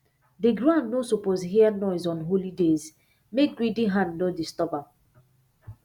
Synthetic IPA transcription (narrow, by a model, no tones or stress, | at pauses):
deɡɾãnːosopozɦianɔɪzɔ̃nɦolidez | mek̚ɡɹidiɦãnnɔdistɔba